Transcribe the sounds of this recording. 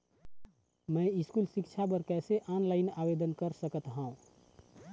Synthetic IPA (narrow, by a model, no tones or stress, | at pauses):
mə̃ɪskulsɪkt͡ʃʰap̬əɾkɛːseʔaːnlaːɪnaʋed̪ənkəɾsəkət̪ɦãːũ